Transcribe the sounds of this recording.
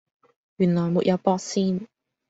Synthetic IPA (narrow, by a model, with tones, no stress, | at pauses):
jyː˨˩nlɔː˨˩jmuː˨t̚jɐ˨˧wpɔː˧k̚siː˥n